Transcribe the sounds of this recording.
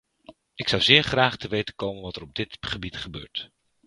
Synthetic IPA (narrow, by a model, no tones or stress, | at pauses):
ɪksʌwzɪːɹχraːχtəʋejtənkowmənʋɑtərɔb̚dɪtχəbitχəbø̰ːɹt